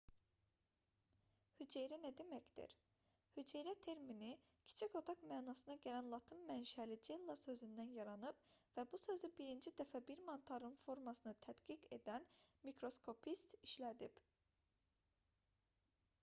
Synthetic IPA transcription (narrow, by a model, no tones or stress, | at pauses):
hyd͡ʒejɾinæd̪emæcd̪ḭɾ | hyd͡ʒejɾæt̪ʰe̞ɾmini | cʰi̥t͡ʃʰiko̞t̪ʰɑkmæːnɑsɯnɑɟælænlˠɑt̪ʰɯnmænʃælid͡ʒelˠːɑsø̞zynd̪ænjɑɾɑnɯbvæbusø̞zybiɾind͡ʒid̪æfæbiɾmɑnt̪ʰɑɾɯnfo̞ɾmɑsɯnɯt̪ʰæd̪ɡiɡe̞d̪ænmikɾo̞skʰo̞pʰist̪iʃlæd̪ib